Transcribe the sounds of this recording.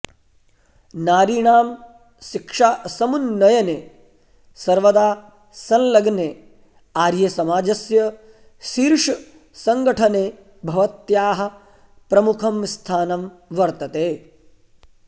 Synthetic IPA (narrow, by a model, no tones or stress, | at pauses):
naːɾiːɳaːm | ʃikʂaːsɐmunːɐjɐneː | sɐɾʋɐd̪aː | sɐnlɐɡneː | aːɾjɐsɐmaːd͡ʒɐsjɐ | ʃiːɾʂ | sɐŋɡɐʈʰɐneː | bʱɐʋɐt̪jaːɦɐ̆ | pɾɐmukʰɐmst̪ʰaːnɐm | ʋɐɾt̪ɐt̪eː